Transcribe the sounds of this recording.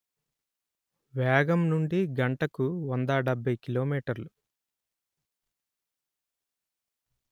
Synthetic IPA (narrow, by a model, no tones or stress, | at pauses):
ʋɛːɡɐmnuɳɖiɡɐɳʈɐkuʋɔnd̪ɐɖɐbʱːɐjkiloːmiːʈɐɾlu